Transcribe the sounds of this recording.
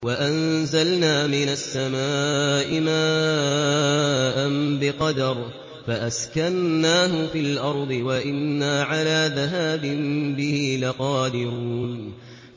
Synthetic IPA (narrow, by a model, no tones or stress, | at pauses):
waʔanzalnaːmɪnasːamaːʔɪmaː | ʔanbɪqɑd̪ɑɾˤ | faʔaskanːaːɦʊfiːlʔɑɾˤd̪ˤɨwaʔɪnːaːʕalaːðaɦaːbɪnbɪhiːlaqɑːd̪ɪɾuːn